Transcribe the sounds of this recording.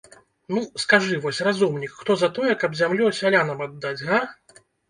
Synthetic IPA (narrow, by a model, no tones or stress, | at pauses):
nuskaʐɨvɔsʲrazumnʲikxt̪ɔzɐt̪ɔjɛkɐbzʲamlʲɔsʲalʲanɐmad̪ːad͡zʲɣa